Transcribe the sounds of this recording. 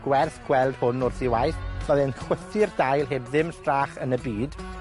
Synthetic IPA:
ɡ̥wɛrθɡ̥wɛlˠd̥hʊnɔrθiwajθmaðɪnχwəθɪrdajlˠɦeːbðɪmstraːχənəbiːd̥

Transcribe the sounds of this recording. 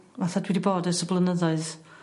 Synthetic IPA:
vaθadwɛdiboːdəsəblˠənəðɔɨð

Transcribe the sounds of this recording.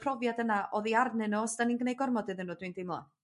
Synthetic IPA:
pʰrɔvjadənaʔɔðiarnɨnɔsd̥aninɡnejɡɔrmɔdɨðɨnːuːdwindɪmlˠa̰

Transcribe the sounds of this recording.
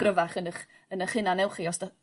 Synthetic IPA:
rəvaχənəχ | ənəχhɪnanɛwχiɔsdɔ

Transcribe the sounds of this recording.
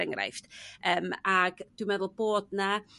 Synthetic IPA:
ɛŋra̰jfd̥əːmaɡ̥d̥wimɛðʊlˠb̥oːdna

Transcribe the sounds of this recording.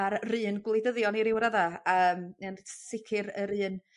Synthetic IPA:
aɾrɨːnɡlˠejdəðjɔniɾɪwɾaðaəːmənsɪkʰɪɾəɾɨːn

